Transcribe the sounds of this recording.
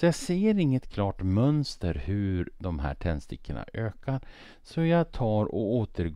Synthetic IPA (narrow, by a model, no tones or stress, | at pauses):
ɔjɑseːɾɪŋːət̪kʰlɑːʈmœnst̪əɾhʉɾd̪ɔmɦæ̰ːʈʰɛnst̪ɪkʰːəɳa̰ʔøːkaɾ | sɔjɑt̪ʰɑːɾɔoːt̪ʰəɾɡ